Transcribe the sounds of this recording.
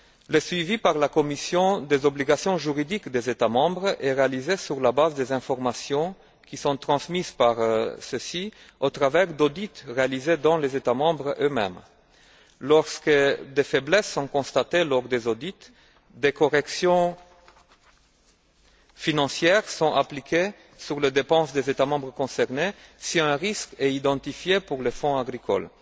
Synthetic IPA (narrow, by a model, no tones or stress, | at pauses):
ləsɥivipaʁlakɔmisjɔ̃d̪ezɔbliɡasjɔ̃ʒyʁid̪ikd̪ezet̪amɑ̃bʁɛʁealizesyʁlabazd̪ezɛ̃fɔʁmasjɔ̃ | kʲisɔ̃t̪χɑ̃smizpaʁsəsi | ot̪ʁavɛʁd̪od̪it̪ʁealized̪ɑ̃lezet̪amɑ̃bʁømɛ̰m | lɔʁskəd̪efɛblɛsːɔ̃kɔ̃st̪at̪elɔʁd̪ezod̪it̪ | d̪ekɔʁɛksjɔ̃ | finɑ̃sjɛʁsɔ̃ʔaplikʰʲe | syʁled̪epɑ̃sd̪ezet̪amɑ̃bʁəkɔ̃sɛʁnesiɛ̃ʁiskɛid̪ɑ̃t̪ifjepuʁlefɔ̃aɡʁikɔ̰l